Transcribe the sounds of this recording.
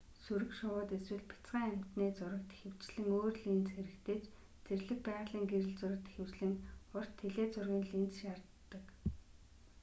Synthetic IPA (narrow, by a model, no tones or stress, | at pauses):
suɾɘ̆kʃʊwʊːt̪eswɘ̆ɮpʰʲɪ̥t͡sɢaːŋæm̥ʲt̪neːt͡sʊɾə̆k̚t̪e̥xɘ̆w̥t͡ɕɮɘ̆ŋoːrɮiːnt͡sxeɾɘ̆kt̪ʰeːt͡ɕ | t͡serɮɘ̆k̚pæːʁɮiːŋɡeɾɘ̆ɮt͡sʊɾə̆k̚t̪e̥xɘ̆wt͡ɕɮɘ̆ŋʊr̥t̪ʰːeɮeːt͡sʊrɣʲiːnɮint͡sʃart̪ːə̆k